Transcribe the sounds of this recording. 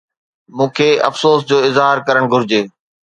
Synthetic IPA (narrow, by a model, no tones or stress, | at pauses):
mũːkʰeːɐ̰fsoːsd͡ʑoːɪzɦaːɾkɐɾəɽ̃ɡʱʊɾɪd͡ʑeː